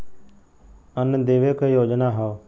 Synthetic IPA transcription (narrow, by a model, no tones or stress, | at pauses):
ənd̪eːʋeːkejoːd͡ʒnaːɦaː